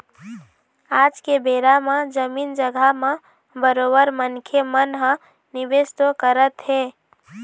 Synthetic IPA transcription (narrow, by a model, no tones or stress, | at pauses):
ad͡ʒkebeɾamed͡ʒəmind͡ʒəɡʱamẽ | bəɾobəɾmənkʰemənɦə̃ | nibest̪okəɾət̪ɦe